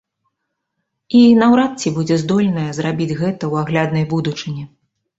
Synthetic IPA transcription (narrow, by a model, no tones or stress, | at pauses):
inɐwɾat̪̚t͡sʲibud͡zʲɛzd̪ɔlʲnɐjɐzɾabʲid͡zʲɣɛt̪ɐwaɣlʲad̪nɐjbud̪ut͡ʂɨnʲi